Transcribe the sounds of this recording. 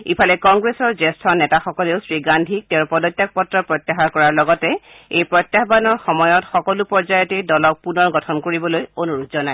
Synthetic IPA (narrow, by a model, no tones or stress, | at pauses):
ḭpʰalɛkɔŋɡɹesɔɹzestʰɔnɛtaxɔkɔleʊsɹiɡandʱik̚teɹpɔdɔtːjak̚pɔtɹɔpɹɔt̪ːaxakɔɹaɹlɔɡɔtɛ | ejpɹɔt̪jaxbanɔɹxɔmɔjɔtxɔkɔlupɔɹzajɔtedɔlɔk̚punɔɹɡɔtʰɔnkoɹibɔlojonuɹutzɔnaj